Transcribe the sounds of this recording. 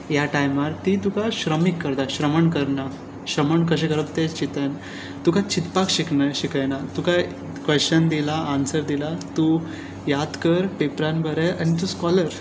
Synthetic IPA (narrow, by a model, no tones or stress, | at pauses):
jaʈajmaɾt̪it̪ukaɕɾəmikːəɾd̪aɕɾəməɳkəɾna | ɕɾəməɳkəɕẽkəɾəb̚t̪et͡ɕit̪ən | t̪ukat͡ɕit̪pakɕiknajɕikajnat̪uka | kʋəɕt͡ɕənd̪ilaːnsəɾd̪ilat̪u | jad̪kəɾpepɾanbʱəɾeañit̪̬uskɔləɾ